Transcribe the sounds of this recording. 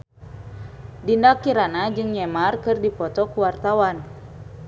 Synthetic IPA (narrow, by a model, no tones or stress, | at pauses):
dindakiɾanad͡ʒɨŋɲɛmarkɨrdipɔt̪ɔkuwart̪awan